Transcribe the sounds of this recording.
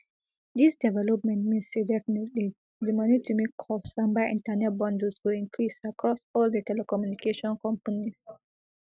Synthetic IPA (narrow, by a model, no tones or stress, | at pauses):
disdɛvɛlɔp̚mɛ̃ntmĩnsdedɛfinɛtli | dəmanitumekʰɔfsãmbaʔḭ̃ntanɛt̚bɔ̃ndəswoĩŋkʰɹisakɹɔsɔldətʰɛlɛkɔmjunikeʃɔ̃nkɔ̃mpanis